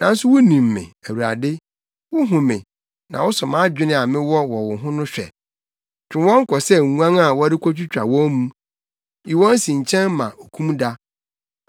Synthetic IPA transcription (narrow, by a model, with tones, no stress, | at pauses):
nã˨n˦sʊ˦wʊ˦nĩ˨mːɪ̰̃˨æ˨wu˨ɾa̰˨dɪ˦ | wʊ˦ɦʊ̃˨mɪ̰̃˨ | nã̰˨wʊ˦sʊ˨mã˦d͡ʑᶣɪ˦nɪ̃˦a˨mɪ̃˦wɔ˦wɔ˨wʊ˨ɦʊ̃˦nʊ̃˦ɕᶣɛ̰˨ | t͡ɕᶣɪ̃˨˦wɔ̃˦ŋ̩˦kʰɔ˨sɛ˦˨ŋ̩˨wã˦ŋa˨wɔ˦dɪ˦kʰʷɔ˦t͡ɕᶣʰʊ˦t͡ɕᶣa̰˨wɔ̃˦mũ˦ | i˨wɔ̃˦n˦sĩ˨ɲ̩˨t͡ɕʰɛ̃˦nmã̰˨o˨kʰũ˦mda˦